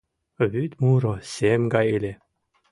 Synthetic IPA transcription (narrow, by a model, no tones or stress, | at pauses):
βyt̪muɾosemɡajelʲe